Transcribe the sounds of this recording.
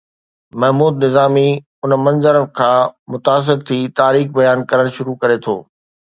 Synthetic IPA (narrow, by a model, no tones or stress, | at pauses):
mɐɦmuːd̪nɪzaːmi | ʊnmɐ̃nzəɾkʰãːmʊt̪aːs̬ɪɾt̪ʰiːt̪aːɾiːxbɐjaːnkɐɾəɽ̃ʃʊɾukɐɾet̪ʰo̰ː